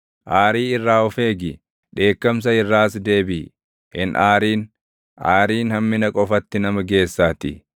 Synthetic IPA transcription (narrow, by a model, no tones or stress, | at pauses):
ʔaːɾiːɪrːaːɔfeːɡɪ | ᶑe̞ːkːɐms̬ɐɪrːaːsd̪e̞ːbɪ | hɪnʔaːɾiːn | ʔaːɾiːnhɐmːɪnɐkʼɔfɐt̪ːɪnɐmɐɡe̞ːsːaːt̪ɪ̰